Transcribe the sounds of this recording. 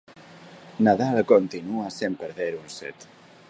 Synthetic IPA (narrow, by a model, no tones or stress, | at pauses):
naðalkont̪inuasempəɾðeɾunsɛ̰t̪